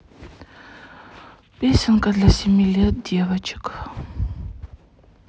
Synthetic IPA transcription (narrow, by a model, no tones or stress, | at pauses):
pʲesʲɪnkɐd̪lʲasʲemʲilʲet̪̚d̪ʲevɐt͡ʃɪ̥k